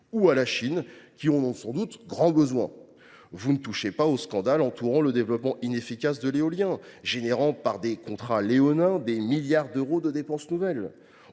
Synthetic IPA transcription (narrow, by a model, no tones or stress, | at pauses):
ualaʃinkʲiɔ̃ɔ̃sɑ̃d̪ut̪ɡʁɑ̃bəzwɛ̰̃ | vunət̪uʃepaoskɑ̃d̪alɑ̃t̪ʰuʁɑ̃ləd̪evlɔpmɑ̃ʔinefikʲasd̪əleɔljɛ̃ʒeneʁɑ̃paʁd̪ekɔ̃t̪χaleɔnɛ̃d̪emiljaʁd̪øʁod̪əd̪epɑ̃snuvɛl